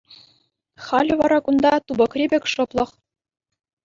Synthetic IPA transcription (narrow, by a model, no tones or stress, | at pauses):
χɑlʲɘ̆ʋɑɾɑkund̪ɑt̪ubɤ̆krʲibʲɘ̆kʲʂɤ̆plˠɤ̆χ